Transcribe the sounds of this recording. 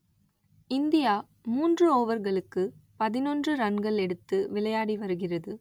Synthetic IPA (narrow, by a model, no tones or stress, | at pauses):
ɪnd̪ɪjaː | muːndrɯoːʋɐɾɣɐɭɯkːɯpɐðɪnɔndrɯɾɐnɡɐɭɛɽɯt̪ːɯʋɪlɐjaːɽiʋɐɾɯɣɪrɐðɯ